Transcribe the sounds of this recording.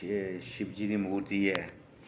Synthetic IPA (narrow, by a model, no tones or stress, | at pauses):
eʃɪbd͡ʒid̪imuːɾt̪iɛː